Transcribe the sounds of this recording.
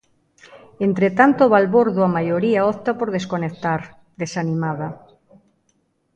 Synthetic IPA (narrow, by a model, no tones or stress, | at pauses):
ent̪ɾet̪ant̪oβalβoɾðʊamajoɾiaɔt̪apoɾðeskonekt̪aɾ | d̪esanimaða